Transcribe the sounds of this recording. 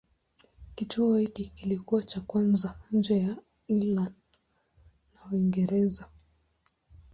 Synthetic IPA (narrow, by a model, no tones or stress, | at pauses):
kituɔhikikilikuwat͡ʃakwanzan̩d͡ʒɛja | iland | nauiŋɡɛɾɛza